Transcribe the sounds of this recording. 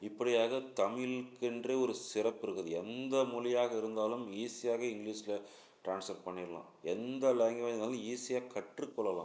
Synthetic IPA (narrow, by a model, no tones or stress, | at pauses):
ɪpːɐɽɪjaːɣɐt̪ɐmɪlkːɪndrɐɔɾɯsɪrɐpːɪɾɯkːɐðɯɛnd̪ɐmʊlɪjaːɣɐɪɾɯnd̪aːlɯmiːsɪjaːɣɐɪŋɡliːʂɪlɐ | ʈɾaːnsɐɾpɐɳːɪɾɐlã̰ː | ɛnd̪ɐlɛŋɡɐʋɐnd̪aːliːsɪjaːkːɐʈrɯkːɔɭːɐlã̰ː